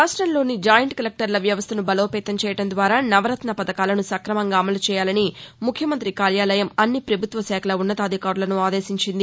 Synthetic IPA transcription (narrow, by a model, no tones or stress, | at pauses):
ɾaːsʈɾɐmlo̞ːnid͡ʒaːjɐɳʈkɐlɐk̚ʈɐɾlɐʋjɐʋɐst̪ʰɐnubɐlo̞ːpɛːt̪ɐmt͡ʃɛːjɐɽɐnd̪ʋaːɾaːnɐʋɐɾɐt̪nɐpɐd̪ɐkaːlɐnusɐkɾɐmɐŋɡaːmɐlut͡ʃɛːjaːlɐnimukʰjɐmɐnt̪ɾikaːljaːlɐjɐmɐnːipɾɐbʱut̪ʋɐsɛːkʰɐlɐunːɐt̪aːd̪ʱikaːɾulɐnuaːd̪e̞ːʃiɲt͡ʃind̪i